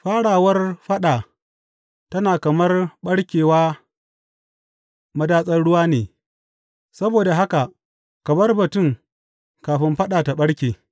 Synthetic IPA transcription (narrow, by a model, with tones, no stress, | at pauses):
ɸaː˦ɽaː˨wɐ˦rɸɐ˦ɗaː˨ | tɐ˦naː˨kɐ˨mɐ˦rɓɐ˦ɽkʲeː˨waː˦ | mɐ˦daː˦sʼɐ˦nɽʊ˦waː˦neː˨ | sɐ˦boː˨da˨ɦa˦ka˨ | kɐ˨mɐ˦rbɐ˨tʊ˦˨ŋ | kaː˨ɸɪ˦mɸɐ˦ɗaː˨ta˨ɓɐ˦ɽkʲeː˨